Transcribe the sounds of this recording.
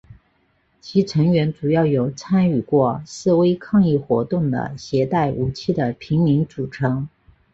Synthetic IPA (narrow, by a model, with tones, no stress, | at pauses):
t͡ɕʰi˧˥ʈ͡ʂʰɤ˧˥ŋɥɛ˧˥nt͡su˨˩jɑ˥˩ʊjo˨˩ʊt͡sʰa˥ny˨˩kwɔ˥˩sɹ̩˥˩we˥ɪkʰɑ˥˧ŋi˥˩xwɔ˧˥t̪ʊ˥˩ŋd̪ə̰˩ɕjɛ˧˥t̪a˥˩ɪʔu˨˩t͡ɕʰi˥˩d̪ə˩pʰi˧˥ŋmi˧˥ŋt͡su˨˩ʈ͡ʂʰɤ˧˥ŋ